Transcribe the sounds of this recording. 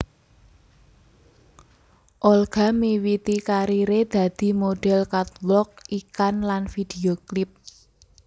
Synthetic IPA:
ʔɔlɡ̥a̤miwit̪ikaɾiɾed̪̥ä̤d̪̥i̤moɖ̥ɛ̤lkat̪wlɔk̚ikanlanfid̪̥eoklɪp̚

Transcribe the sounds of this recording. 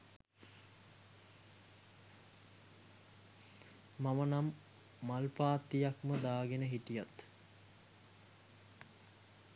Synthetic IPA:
mamənamː | alpaːt̪ːijakməd̪aːɡenəɦiʈijat̪

